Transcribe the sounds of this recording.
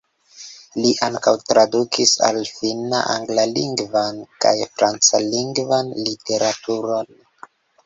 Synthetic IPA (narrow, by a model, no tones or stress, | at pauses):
liʔaŋkawtɾadukʰisa̰lfina̰ʔa̰ŋɡlaliŋɡvanka̰jfɾant͡saliŋɡvanlite̞ɾatʰuɾo̞n